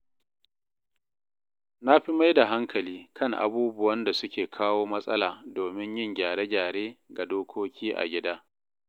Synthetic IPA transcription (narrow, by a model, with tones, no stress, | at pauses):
na˦ɸi˦ma˦jda˨ɦa˦ŋkʰɐ˨liː˦kʰɐ˦˨ŋʔa̰˨buː˦bʊ˦wɐ˦nda˨sʊ˦kʲeː˨kʰaː˦woː˦mɐ˦sʼɐ̰˦laː˨doː˨mɪ˦ɲjɪ˦˨ŋɡʲaː˨ɽeː˦ɡʲaː˨ɽeː˦ɡa˨doː˦kʷʰoː˦kʲʰiː˦ʔa̰˨ɡʲɪ˦daː˦